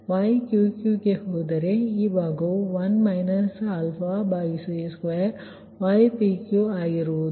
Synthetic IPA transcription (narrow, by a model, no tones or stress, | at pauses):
ʋaːjkjukjuːkehoːd̪ɐɾeibaːɡoʋɐnmaɪnɐsalfabaːiseskʋajɾ | ʋaːjpikjuaːjiɾod̪